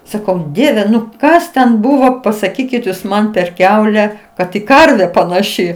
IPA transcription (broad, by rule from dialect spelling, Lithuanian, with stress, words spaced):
ˈsɑːkɐʊ ˈdʲiɛʋʲɛ nʊ ˈkɐs tʲɛn ˈbʊʋoː pɐsɐˈkʲiːkʲɪt juːs ˈmɐn pʲɛr ˈkʲɛʊlʲɛ ˈkɐt ɪ ˈkɐrʲʋʲɛ pɐnɐˈʃʲɪ